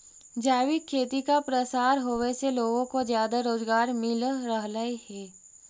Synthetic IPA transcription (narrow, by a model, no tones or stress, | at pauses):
d͡ʒaːwɪkʰːeːt̪ikapɾəsaːɾɦoːʋeseloːɡõkozjaːd̪aɾoːzɡaːɾmɪlɾəɦlaehɛː